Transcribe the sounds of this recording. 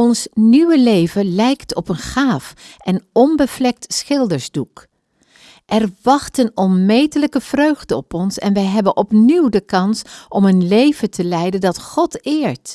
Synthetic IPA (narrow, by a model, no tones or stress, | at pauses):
ɔnsniwəlejvəlɛjktɔpənχaːfɛnɔmbəvlɛk̚tsχɪlˠdəɹzduk | ʔɛɹʋɑχtənɔnmejtələkəv̥røɥχdəɔpɔnsɛ̰nʋɛjɦɛbənʔɔpniwdəkɑnsʔɔmənlejv̥ətəlɛjdəndɑtχɔtɪːɹt